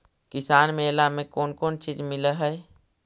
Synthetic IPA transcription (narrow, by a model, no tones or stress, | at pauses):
kɪsaːnmẽelamẽkoːnkoːnt͡ʃiːd͡ʒmɪləɦɛj